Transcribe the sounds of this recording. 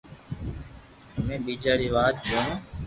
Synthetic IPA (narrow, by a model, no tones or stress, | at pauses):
əmẽːɓiːd͡ʒaːɾiːʋaːt̪kəõː